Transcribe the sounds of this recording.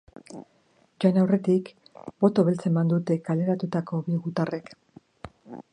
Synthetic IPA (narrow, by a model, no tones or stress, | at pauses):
d͡ʒajnawre̞t̪ik | bo̞t̪o̞βe̞lt͡se̞mand̪ut̪e̞kale̞ɾat̪ut̪ako̞βiɣut̪are̞k